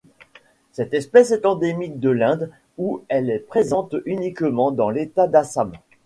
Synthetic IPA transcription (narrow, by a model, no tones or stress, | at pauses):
sɛt̪ɛspɛsɛt̪ɑ̃d̪emik̚d̪əlɛ̃d̪ | uɛlɛpχezɑ̃t̪ynikmɑ̃d̪ɑ̃let̪ad̪asam